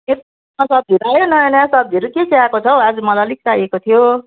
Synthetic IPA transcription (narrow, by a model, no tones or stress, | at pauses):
et̪ | masʌb̚d̪ʱiɾajonʌjʌnjasʌb̚d̪ʱiɾukeseakot͡sʰʌwad͡zumʌlalik̚sajekot̪ʰijo